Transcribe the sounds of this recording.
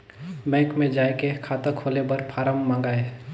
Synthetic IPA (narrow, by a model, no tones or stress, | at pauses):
bɛ̃ːkmẽd͡ʒaːekekʰaːt̪əkʰoːlebəɾpʰaːɾəmːãːŋɡaːe